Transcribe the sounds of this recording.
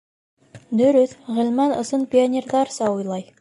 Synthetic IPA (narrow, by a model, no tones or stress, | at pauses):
d̪ɵɾɵθʁɪ̆lmɑnɤ̆sənpʲionʲerd̪ɑɾsɑujlˠɑj